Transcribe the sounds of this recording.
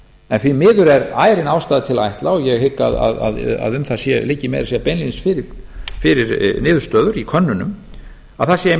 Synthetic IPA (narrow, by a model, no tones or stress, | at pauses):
ɛnθvimɪːðʏɾɛɾaːjɾɪnaːwst̪aːðt̪ʰɪla̰jht̪laɔɣjɛɣhɪkːa̰ða̰ða̰ða̰ðʏmθasjɛlɪcːɪmɛ̰ðɾasjɛpejnlinsfɪɾɪfɪɾɪɾnɪːðʏɾst̪œːðʏɾikʰœnːʏnʏm | aðθasjɛ